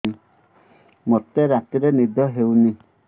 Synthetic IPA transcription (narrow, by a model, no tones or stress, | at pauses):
i | mot̪eɾat̪iɾenid̪ʱɔɦewni